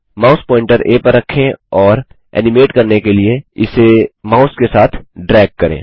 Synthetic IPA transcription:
maːʊspɔːɪ̃ɳʈəɾeːpəɾːɐkʰːẽɔːɾ | ɛ̰ːnɪmeːʈkɐɾnekelieɪsemaːʊskesaːt̪ʰɖɾɛːɡ̚kɐɾḛ̃ː

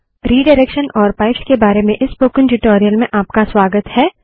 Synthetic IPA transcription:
ɾiːɖɐɪɾekʃənʔɔːɾpaːɪpskebaːɾemẽʔɪspoːkɪ̃ŋʈɪʈoːɾijəlmẽʔaːp̚kaswaːɡət̪hɛː

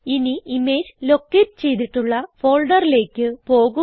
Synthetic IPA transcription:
iniime̞ːd͡ʑlo̞kːetɨt͡ɕe̞jt̪̬iʈːuɭːɐfo̞ːɭɖɐrile̞ːkʲːɨpo̞ːɣu

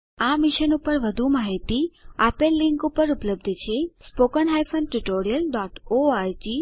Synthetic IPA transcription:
amiʃənupəɾʋəd̪ʱumaɦit̪iapelːiŋkupəɾupləb̚d̪ʱt͡ʃʰespokənɦajfʰənʈuʈoɾijəlɖɔʈoaɾd͡ʒi

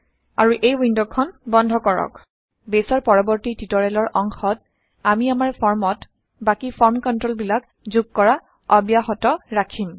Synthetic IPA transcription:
a̰ɹuʔejwindɔkʰːɔnbɔndʱɔkɔɹɔ̰k | besɔɹpɔɹɔbɔɹtititɔɹɛlɔɹʔɔŋxɔt̚ | amiamaɹpʰɔɹmɔt | bakipʰɔɹmkɔntɹolbilak | zuɡ̚kɔɹa | ɔbijaxɔtɔɹakʰim

